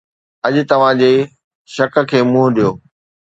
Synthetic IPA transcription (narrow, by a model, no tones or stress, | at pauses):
ɐʄʊt̪ɐʋ̤ãd͡ʑeː | ʃɐk̆kʰeːmʊ̃ɦʊ̃ɗijoː